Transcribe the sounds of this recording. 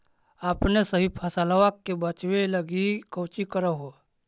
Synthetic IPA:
aːpnesəɦipʰɐsalaʋakːebət͡ʃweləɡikəːt͡ʃikəɾaɦo

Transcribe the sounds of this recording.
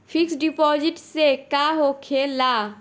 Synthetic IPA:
pʰɪksɖipɔːd͡ʒɪʈsekaɦokʰela

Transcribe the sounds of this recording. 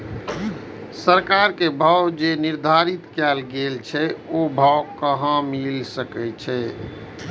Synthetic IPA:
səɾkaɾkebʱəwd͡ʒeniɾd̪ʱaɾit̪kɛlɡelt͡ʃʰɛobʱəwkəɦə̃milsəkɛt͡ʃʰɛ

